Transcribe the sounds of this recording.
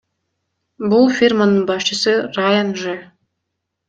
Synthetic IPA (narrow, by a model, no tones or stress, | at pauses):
bulˠfʲirmanɯnbɑst͡ʃəsɨrajanʒɛ